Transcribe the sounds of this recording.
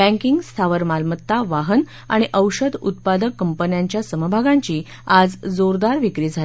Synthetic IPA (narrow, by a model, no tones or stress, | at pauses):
bæ̃ŋkiŋɡst̪ʰaʋəɾmalmət̪ːaʋaɦən | aɽ̃iʔəwɕəd̪ṵt̪̚pad̪əkːəmpənjaɲt͡ɕjasəməbʱaɡãɲt͡ɕiː | ad͡zd͡zoɾd̪aɾʋikɾiːd͡zʱali